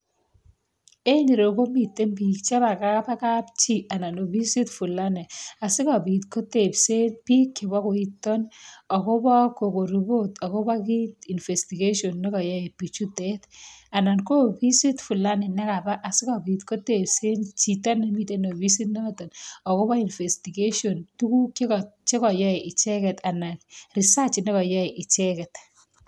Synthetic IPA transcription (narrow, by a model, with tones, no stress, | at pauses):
e˦ɲi˨ɾo˨ko˦mi˨tːe˦mp̬i˨k̚t͡ʃa˦ba˨ka˦pa˦ka˦pt͡ʃi˦a˨na˨no˨bi˦si˦tfu˨la˦nɛ˨a˨sɪ˦kɔ˨bi˨tko˦te˨pse˦npi˦kːɪ˨ba˦ko˨i˦tːɔ˦nɔ˨ko˦bɔ˦ko˨ko˨ɾi˨bo˦tɔ˨ko˦ba˦ki˦ti˨nfe˨sti˨ɡe˦ʃo˨nːe˦kɔ˨ja˦i˨pi˨t͡ʃu˦te˦ta˨na˨nko˦pi˦si˦tfu˨la˦nɪ˨nɛ˦ka˨ba˦ʔa˨sɪ˦kɔ˨bi˨tko˦te˨pse˦nt͡ʃi˨ta˦ne˦mi˦te˦no˨bi˦si˦tne˦tɔ˨nɔ˨ko˦ba˦i˨nfe˨sti˨ɡe˦ʃo˨ntu˦ku˦ke˦kt͡ʃe˦kɔ˨jɔ˦e˨ʔɪ˨t͡ʃe˦kɛ˨ta˨na˨nri˨sa˦t͡ʃɪ˨ne˦kɔ˨jɔ˦e˨ʔi˨t͡ʃe˦kɛ˨t